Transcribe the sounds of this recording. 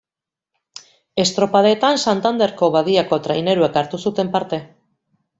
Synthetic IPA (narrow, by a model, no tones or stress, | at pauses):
e̞st̪ɾo̞paðet̪ansant̪and̪e̞ɾko̞βaðiako̞t̪ɾajne̞ɾue̞kaɾt̪usut̪e̞mpaɾt̪e̞